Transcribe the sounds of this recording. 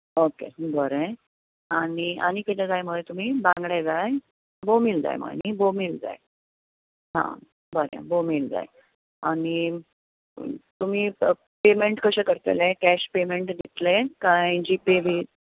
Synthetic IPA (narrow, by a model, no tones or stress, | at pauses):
okḛbəɾẽ | aɽia̰ñikət̪ad͡zajməjt̪um̤iːbãŋɡɽed͡zaj | bomild͡za̰jmə̰nibomiːld͡za̰j | ɦã̰ | bəɾḛ̃bomild͡za̰j | aɽi | t̪um̤iː | pemeɳʈkəɕekəɾt̪ḛlekæɕpemeɳʈɡit̪lekãjd͡ʑipeʋi